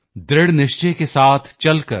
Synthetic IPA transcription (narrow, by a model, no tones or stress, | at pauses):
d̪ɾɪɽnɪʃt͡ʃekesaːt̪ʰt͡ʃɐlkə̰ɾ